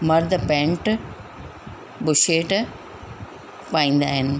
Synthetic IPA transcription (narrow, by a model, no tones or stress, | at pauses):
mɐɾd̪ʱəpẽːɳʈ | bʊʃeːʈ | paːĩːn̆d̪aːɦɪnɪ̆